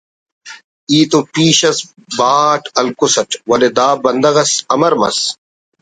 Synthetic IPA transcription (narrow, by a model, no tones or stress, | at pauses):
iːt̪opiːɕɐs | baːʈɐlkusɐʈwɐled̪aːbɐnd̪ɐɣɐsɐmɐɾmɐ̰s